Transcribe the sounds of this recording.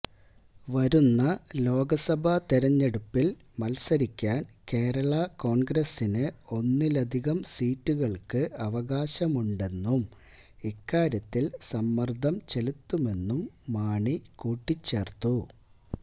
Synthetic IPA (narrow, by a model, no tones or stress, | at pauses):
ʋɐɾunːɐlo̞ːɡɐsɐbʱɐt̪iɾɐɲːe̞ɽupːil | mɐlsɐɾikʲːaːnke̞ːɾɐɭɐko̞ːɳɡɾɐsinɨo̞nːilɐd̪ʱiɣɐmsiːtːuɣɐɭkɨɐʋɐɣaːɕɐmuɳɖe̞nːum | ikːaːɾjɐt̪ːilsɐmːɐrd̪ʱɐmt͡ɕe̞lut̪ːume̞nːumːaːɳikuːʈːit͡ɕːe̞ːrt̪ːu